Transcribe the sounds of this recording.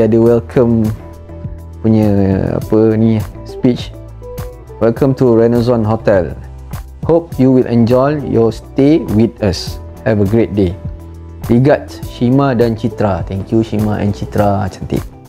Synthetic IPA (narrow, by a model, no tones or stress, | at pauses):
adəwɛlkʰə̃m | puɲəa̰pənĩspit͡ʃ | wɛlkʰə̃mtuɹɛnɛs̬ɔ̃nɦotɛl | hop̚juwilʔɛ̰̃nd͡ʒɔjjɔstewit̪as | ɛvəɡɹet̚de | wiɡat̚ʃimadãnt͡ʃit̪ɾat̪ɛ̃ŋkʰjuʃimaʔɛ̰̃nt͡ʃit̪ɾat͡ʃant̪ḭʔ